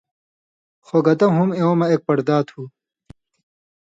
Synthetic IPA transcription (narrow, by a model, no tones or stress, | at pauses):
xoɡɐt̪ɐɦumeomɐeːk̚pɐɾd̪aːt̪ʰhuː